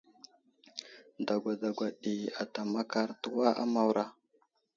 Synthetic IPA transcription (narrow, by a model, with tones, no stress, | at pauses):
da˨ɡʷa˨da˨ɡʷa˨ɗi˨a˨ta˨ma˦ka˦ɾtu˦wa˦ʔa̰˦ma˦wɾa˦